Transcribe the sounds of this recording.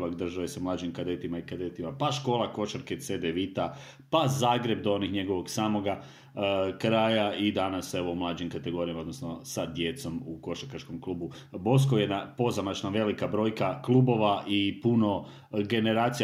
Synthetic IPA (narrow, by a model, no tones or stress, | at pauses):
lakd̪r̩ʒaʋesamlaːd͡ʒimkad̪et̪imaikad̪et̪imapaʃko̞ːlˠako̞ʃaɾket̪sed̪eʋit̪a | pazaːɡɾe̞b̚d̪oonixɲe̞ɡo̞ʋo̞ɡsaːmo̞ɡa | kɾaːjaid̪anase̞ʋo̞umlˠaːd͡ʒimkat̪e̞ɡo̞ɾijamaod̪nosnosad̪je̞t̪so̞muko̞ʃakat͡ʃko̞mklˠuːbu | bo̞s̬koje̞d̪napo̞zamat͡ʃnaʋe̞likabɾo̞ːjkaklˠuːbo̞ʋaʔipuno̞ | ɡe̞ne̞ɾaːt̪si